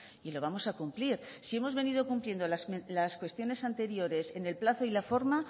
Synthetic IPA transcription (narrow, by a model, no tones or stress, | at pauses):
ilo̞β̞amo̞sakumpliɾsie̞mo̞zβe̞niðo̞kumplje̞nd̪olasmelaskwe̞st̪jo̞ne̞sant̪e̞ɾjo̞ɾe̞se̞ne̞lplaθoilafo̞ɾma